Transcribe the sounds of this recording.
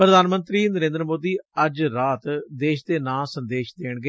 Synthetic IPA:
pɾəd̪ʱaːnmə̃nt̪ɾiːnəɾẽːnd̪əɾəmoːd̪iːəd͡ʒɾaːt̪d̪eːʃd̪eːnãːsənd̪eːʃd̪eːɳɡe

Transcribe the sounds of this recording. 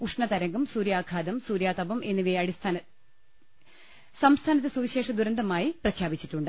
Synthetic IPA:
uʂɳɐt̪ɐɾɐŋɡumsuːɾjaːkʰaːd̪ɐmsuːɾjaːt̪ɐbɐme̞nːiʋijɐɽist̪ʰaːnɐ | sɐmst̪ʰaːnɐt̪ːesuʋiɕe̞ːʂɐd̪uɾɐnd̪ɐmaːjiprɐkʰjaːbit͡ɕːiʈːuɳɖɨ

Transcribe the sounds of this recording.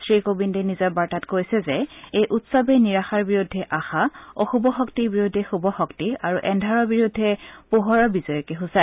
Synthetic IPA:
sɹikobindɛnizɔbaɹtatkojsɛzɛejʔutsɔbɛniɹaxaɹbiɹudʱːɛʔaxaoxubɔxɔktibiɹudʱːɛxubɔxɔktiaɹuʔɛndʱaɹɔɹbiɹudʱːɛpuɦɔɹɔbizɔjɔkɛɦusa

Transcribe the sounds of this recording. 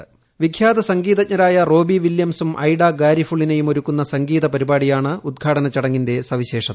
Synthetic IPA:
ʋikʰjaːd̪ɐsɐŋɡiːðɐcɲɐɾaːjɐro̞ːbiʋiljɐmsumʔɐjɽaɡaːɾifuɭːine̞jumo̞ɾukːunːɐsɐŋɡiːðɐpɐɾibaːɽijaːɳɨud̪̚ɡʰʱaːʈɐnɐt͡ɕːɐɽɐŋːinde̞sɐʋiɕe̞ːʂɐ

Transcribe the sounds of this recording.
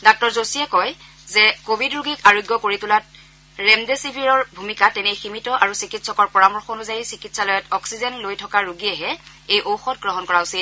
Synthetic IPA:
dak̚tɔɹzosiɛkɔj | zɛkobʱidɹuɡikaɹojɡjɔkoɹitulat̚ | ɹɛmdesibʱiɹɔɹbʱumikatɛnɛjximitɔʔaɹusikitsɔkɔɹpɔɹamɔɹxonuzajisikitsalɔjɔtɔksizɛnlojtʰɔkaɹuɡiɛɦɛ | ejʔowxɔtɡɹɔɦɔnkɔɹaʊsil

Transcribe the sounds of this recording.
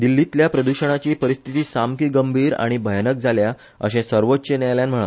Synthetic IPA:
d̪ilːit̪ljapɾəd̪uɕəɽ̃at͡ɕiːpəɾist̪ʰit̪iːsamkiɡəmbʱiːɾa̰ɽ̃ibʱəjnək̚d͡zʱalja | ə̰ɕẽsəɾʋotːɕənajljanm̤əɭ̃ə̰

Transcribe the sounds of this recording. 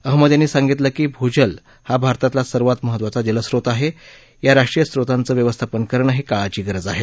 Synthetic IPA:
əɦməd̪janːiːsaŋɡit̪ləkiːbʱod͡ʑəl | habʱaɾt̪at̪lasəɾʋat̪məɦət̪ʋat͡sad͡ʑələsɾot̪aɦe | jaɾaʂʈɾijəsɾot̪ant͡səːʋjəʋəst̪ʰapənkəɾəɳəɦekaɭat͡ɕiːɡəɾəd͡zaɦe

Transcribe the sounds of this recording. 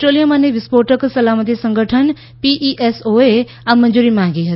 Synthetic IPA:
sʈɾoːlijəmãːneʋɪspoːɾʈəksəlaːmət̪̬isə̃ŋɡəʈʰən | piːʔiːʔɛsoːe | amə̃nd͡ʒuːɾiːmãːŋɡiːɦət̪

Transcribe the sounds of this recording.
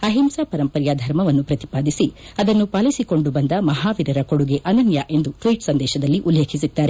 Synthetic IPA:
ɐɦimsaːpɐɾɐmpɐɾjad̪ʱɐɾmɐʋɐnːupɾɐt̪i̥paːd̪isiɐd̪ɐnːupaːlisiko̞ɳɖubɐnd̪ɐmɐɦaːʋiɾɐɾɐkoɽuɡeʔɐnɐnjaʔe̞nd̪uʈɾojʈsɐnd̪ɛːʃɐd̪ɐlːiʔulːeːkʰis̬id̪ːaːɾe

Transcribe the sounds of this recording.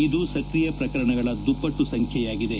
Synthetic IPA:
id̪usɐkɾijɐpɾɐkɐɾɐɳɐɡɐɭɐd̪upːɐʈːusɐŋkʰjɛjaːɡid̪e

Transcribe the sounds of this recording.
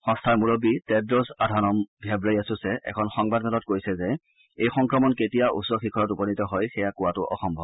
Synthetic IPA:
xɔ̃nstʰaɹmuɹobitɛdɹɔsadʱanɔmbʱɛbɹaɹiasʊsɛʔɛ̰kʰɔnxɔŋbadɛlɔt̚kojsɛzɛ | ejxɔŋkɹɔmɔnketijaʔṵsɔxikʰɔɹɔtupɔnitɔɦɔjxɛjakʊwatʊʔɔ̰xɔmbʱɔb

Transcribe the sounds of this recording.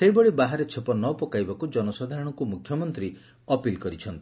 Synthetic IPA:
seɦibɔɭibaɦaɾet͡ʃʰepɔnɔpɔkajbakud͡ʒɔnɔsad̪ʱaɾɔɽ̃ɔkumukʰjɔmɔnt̪ɾi | ɔpilkɔɾit͡ʃʰɔnt̪i

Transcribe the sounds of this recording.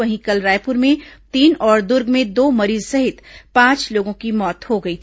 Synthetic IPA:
ɐɦĩkɐlɾaːjpʊɾmẽt̪iːnɔːɾd̪ʊɾɡmẽd̪oːmɐɾiːzsɐɦɪt̪pãːt͡ʃloːɡõkimɔːt̪hoɡɐiːt̪ʰ

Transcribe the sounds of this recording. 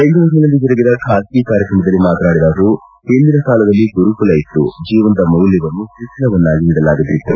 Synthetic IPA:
ɐnɡ̪uʋɐsnɐlɐlːid͡ʒɔɾɐɡid̪ɐkʰaːskikaːɾjɐkɾɐmɐd̪ɐlːimaːt̪ɐnaːɽid̪aːɡɐuː | hend̪inɐsaːlɐd̪ɐlːiɡuɾupulɐjit̪ːṵd͡ʒiːʋɐnt̪ɐmɐwljɐʋɐnːuʃiʂɐnɐʋɐnːaːɡiniɽɐlaːɡit̪ːit̪ːu

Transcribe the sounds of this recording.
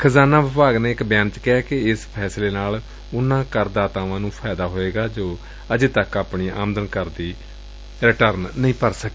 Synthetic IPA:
kʰəzaːnaːʋɪpaːɡneːɪkbjaːnt͡ʃkɛːkɪɪspʰɛːsleːnaːl | ʊnãːkəɾd̪aːt̪ãːʋãːnũːpʰaːd̪aːɦoːeːɡaːd͡ʒoː | əd͡ʒeːt̪əkaːpɳiːʔa̰ːmd̪ənkəɾd̪iː | ɾɪʈəɾnːəĩːpəɾsəkeː

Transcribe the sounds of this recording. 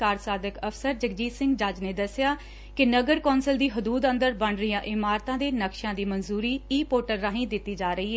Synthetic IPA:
aːɾsaːd̪əkəpʰsəɾd͡ʒəkd͡ʒiːsɪ̃ŋɡd͡ʒaːd͡ʒneːd̪əsɪjaː | kɪnəɡəɾkɔːnsəld̪iːɦʊd̪uːd̪ə̃nd̪əɾbəɳɾɪjãːʔɪmaːɾt̪ãːd̪eːnəkʃãːd̪iːmənzuːɾiːiːpoːʈəɾːaːɦĩːd̪ɪt̪ːiːd͡ʒaːɾəiːɦɛː

